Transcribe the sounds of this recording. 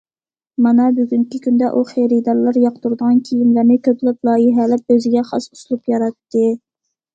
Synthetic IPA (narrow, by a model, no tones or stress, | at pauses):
mɑnɛbyɡʲyŋkʲikʲʰynd̪ɛʔuχeɾɪd̪ɑɾlˠɑɾjɑqt̪uɾd̪əʁɑnkʲʰijimlæɾnɪkʲʰøt̪ʰlɪp̚lˠɑːjɪɦɛlɪp̚øzɪɡʲɛχɑ̰su̥slˠupjɑɾɑt̪ːɨ